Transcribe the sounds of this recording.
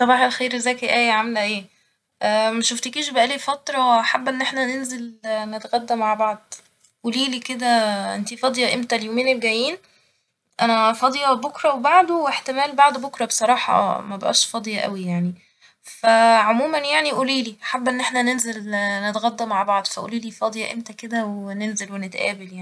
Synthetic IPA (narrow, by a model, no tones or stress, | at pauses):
sˤɑbɑːħelxiːɾzæːkiʔæːjʕamelæʔeː | ʔæmæʃoft̪ekiʃbæʔæliːfɑt̪ɾˤɑwʔaħabːʔenːʔeħnænenzelnet̪ɣæd̪ːæmaʕbɑʕd̪̥̚ˤ | ʔuliːliːked̪æʔḛnt̪ifɑd̪ˤjɑʔemt̪æljoːmeːnelɡæjːiːn | ʔænæfɑd̪ˤjɑbokɾˤɑwebaʕd̪oweħt̪emæːlbaʕd̪bokɾˤɑbesˤɑɾˤɑːħɑ̰mæbʔæ̰ːʃfɑd̪ˤjɑʔæ̰wijaʕni | fæʕomuːmænjaʕniʔuːliːliːʔaħabːʔenːeħnænenzelnet̪ɣæd̪ːæmaʕbɑʕd̪ˤfæʔṵːliːliːfɑd̪ˤjɑʔḛmt̪æked̪æwenenzelwenet̪ʔæ̰ːbeljaʕni